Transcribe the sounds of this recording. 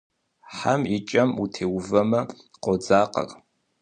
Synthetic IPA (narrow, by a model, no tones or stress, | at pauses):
ħamit͡ʃʼɐmutʰeːwvɐmɐ | qʷʼɔd͡zaːqɐ̰r